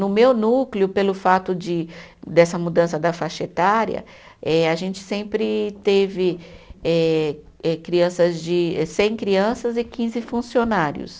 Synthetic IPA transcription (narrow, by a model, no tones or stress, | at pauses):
nʊmewnuklɪʊpelʊfat̪ʊd͡ʒɪd̪ɛsɐmud̪ɐ̃sɐd̪ɐfaʃet̪aɾjɐ̰ | ɛaʒẽnt͡ʃɪ̥sẽmpɾɪt̪evɪɛ | ɛkɾiɐ̃sɐzd͡ʒɪɛsẽj̃kɾiɐ̃sɐzɪkĩzɪfũsionaɾjʊ̰s